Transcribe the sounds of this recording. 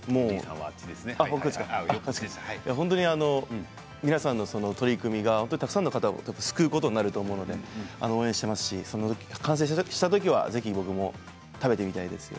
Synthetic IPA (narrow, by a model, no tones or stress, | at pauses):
moːãa̰t͡ɕid̪esaokːt͡ɕikaat͡ɕkjaɦõ̞nt̪̬oɲ̟iano̞ | mʲinasãnːo̞so̞no̞t̪o̞ɾʲikɯ̟mʲiɡahõnt̪oɲit̪ak̟sãnːokat̪ao̰epːasɨ̥kɯːko̞t̪o̞ɲinaɾɯ̟t̪o̞ːmo̞ɯ̟no̞d̪e̞̰a̰nooːẽɕi̥t̪e̞masɨ̥ɕiso̞nːookʲkʰãɰ̃s̬eɕi̥t̪at̪̬o̞kʲiβa̰ze̞çʲibo̞kɯ̟mo̞ | t̪abe̞t̪e̞mʲit̪aid̪e̞sɨjo̰